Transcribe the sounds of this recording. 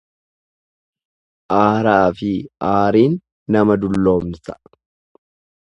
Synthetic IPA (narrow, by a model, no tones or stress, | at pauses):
ʔaːɾaːfɪʔaːɾiːnː | ɐmɐd̪ʊlːo̞ːmnsɐ̥